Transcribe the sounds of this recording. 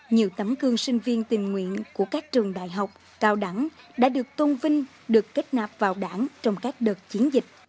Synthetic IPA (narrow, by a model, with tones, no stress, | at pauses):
ɲi˨˩əwt̪ə˨˦mkɨ˧əŋsï˧ŋ̟vi˧ənt̪ï˨˩ŋŋwḭ˧˨ənku˧˩əkaː˦˥k̚t͡ɕɨ˨˩əŋɗa̰ː˧˨jɦa˨˩wk͡p̚ | kaː˧˩wɗa˧˩ŋ | ɗa̰ː˧˥ɗɨ˨˩ək̚t̪o˧nvï˧ŋ̟ | ɗɨ˨˩əkːe˦˥t̚naː˨˩p̚vaː˨˩wɗaː˧˩ŋt͡ɕɔ˧wŋ͡mkaː˦˥k̚ɗəː˨˩t̚t͡ɕi˨˦ənzï˨˩k̟̚